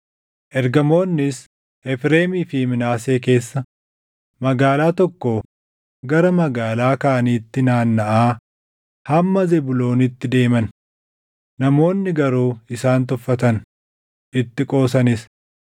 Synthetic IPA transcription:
ʔɛɾɡɐmo̞ːnːɪs | ʔɛfɾeːmiːfɪmɪnaːse̞ːke̞ːsːɐ | mɐɡaːlaːt̪ɔkːoː | ɡɐɾɐmɐɡaːlaːkaʔɐniːt̪ːɪnaːnːɐʔaː | hɐmːɐzɛbʊlo̞ːnɪt̪ːɪd̪e̞ːmɐn | nɐmo̞ːnːɪɡɐɾuːɪsaːnt̪ʊfːɐt̪ɐn | ʔɪt̪ːɪkʼo̞ːsɐnɪs

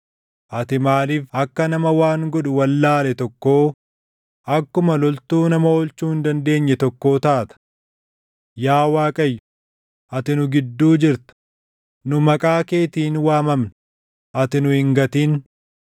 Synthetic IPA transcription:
ʔɐt̪ɪmaːliːfɐkːɐnɐmɐwaːŋɡɔᶑʊwɐlːaːlɛt̪ɔkːo̞ː | ʔɐkːʊmɐlɔlt̪uːnɐmɐoɔlt͡ʃːuːhɪnd̪ɐnd̪e̞ːɲːɛt̪ɔkːo̞ːt̪aːt̪ɐ̥ | jaːwaːkʼɐjːʊ | ʔɐt̪ɪnʊɡɪd̪ːuːd͡ʒɪɾt̪ɐ̥ | nʊmɐkʼaːke̞ːt̪iːnwaːmɐmn | ʔɐt̪ɪnʊhɪŋɡɐt̪iːn

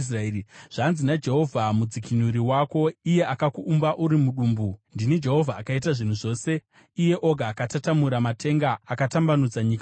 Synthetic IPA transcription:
sraiʐ̥anzinad͡ʒe̞ɦo̞vʱamud͡zikʰinuɾiwako̞ije̞ʔakakuʔːmbaʔuɾimuɗuːmbundinid͡ʒe̞ɦo̞vʱaːkaitaʐin̤uʐo̞ːse̞ | ije̞ʔo̞ɡʱaːkatatamuɾamatʰe̞ŋɡaːkatambanud͡zaɲik

